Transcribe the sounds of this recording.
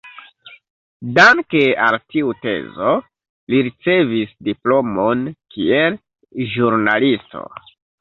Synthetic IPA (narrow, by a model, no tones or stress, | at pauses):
daŋkealtiute̞̰zo̞ | liɾit͡se̞visdiplo̞monkʰiel | ʒuɾnalisto̞̰